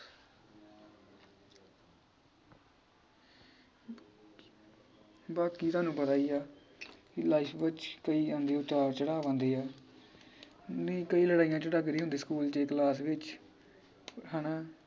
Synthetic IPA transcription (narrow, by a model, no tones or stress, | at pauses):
baːkiːt̪ʊwaːnũːpət̪aːiːaː | kɪlaːipʰʋɪt͡ʃkəiːãːnd̪eːoːt͡ʃaːɾt͡ʃəɽaːʋãːnd̪eːaː | nĩːkəiːləɽaːijãːt͡ʃəɽaːkɾiːɦʊ̃nd̪iːskuːlt͡ʃeːklaːsʋɪt͡ʃ | ɦaːnãː